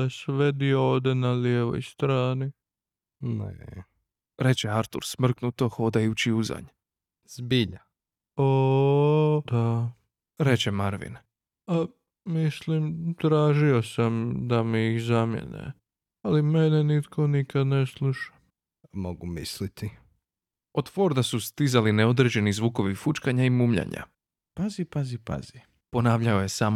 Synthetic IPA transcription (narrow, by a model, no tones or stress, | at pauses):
esʋɛd̪iooːʋd̪enaljeʋo̰jst̪ɾaːni | nḛ | ɾet͡ɕeaɾt̪ṵɾsmr̩knut̪oxod̪ajut͡ɕiuza̰ɲ | z̥biʎa | o | d̪a | ɾet͡ɕemaɾʋḭn | a | mislimt̪ɾaːʒio̞samd̪amiixzamjḛnḛ | alimenenit̪kʰo̞nikad̪neslˠuʃḁ | moɡumislit̪i | ot̪foɾd̪asust̪izalineod̪ɾed͡ʑe̞nizʋuːkoʋifut͡ʃkaɲaimuːmʎa̰ɲa̰ | pazipazipa̰z̥i | po̞naːʋʎaojesaːm